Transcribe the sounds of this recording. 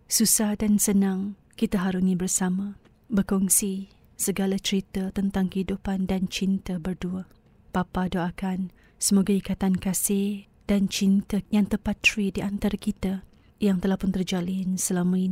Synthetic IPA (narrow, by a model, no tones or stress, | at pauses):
susahdansənãŋ | kit̪aɦaɾunĩbərsamã | bərkɔŋsi | səɡalat͡ʃəɾit̪ət̪ənt̪aŋkəhidupandant͡ʃint̪əbərdua | papadoakan | səmoɡaikat̪ankasɪh | d̥ant͡ʃint̪əjaŋt̪əpat̪ɾidiʔant̪aɾakit̪a | jaŋt̪əlahpʊnt̪ərd͡ʒalɪnsəlamai